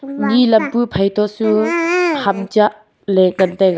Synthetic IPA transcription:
nilɐmpupʰajtʰɔsuhamd͡ʒaʔ | lekɐntajɡ

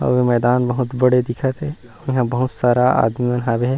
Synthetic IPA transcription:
ɔ̰ːɾemɛːd̪aːnbɐɦʊt̪bɐɽed̪ɪkʰət̪ɦɛː | ɔːɾjɐɦãbɐɦʊt̪saːɾaa̰ːd̪miɐnɦaːbeɦɛ̃ː

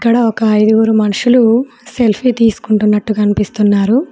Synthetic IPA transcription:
ikːɐɽɐɔkɐɐjd̪uɡuːɾumɐnuʂulu | se̞lpʰit̪iːsu̥kuɳʈunːɐʈːukɐnipist̪unːaːɾu

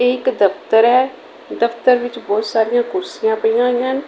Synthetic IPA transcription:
eɪkd̪əpʰt̪əɾɦɛː | d̪əpʰt̪əɾʋɪt͡ʃbɔːt̪saːɾɪjãːkʊɾsɪjãːpəijãːɦijãːn

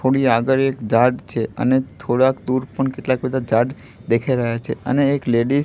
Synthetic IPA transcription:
t̪ʰoɽiaɡəɾekd͡ʒaɖt͡ʃʰeə̰net̪ʰoɽakd̪uɾpəɳkeʈlak̚bəd̪ʱad͡ʒaɖ | d̪ekʰajɾəɦjat͡ʃʰḛə̰neːkleɖi

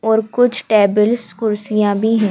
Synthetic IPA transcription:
ɔːɾkʊt͡ʃʰʈeːbəlskʊɾsijãbʱiɦɛ̃ː

